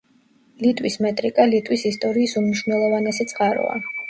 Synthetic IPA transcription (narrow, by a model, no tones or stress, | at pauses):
lit̪ʼwismɛt̪ʼɾikʼalit̪ʼwisist̪ʼɔɾiːsumniʃwnɛlˠɔvanɛsɛt̪sʼqʼaɾɔ̰a̰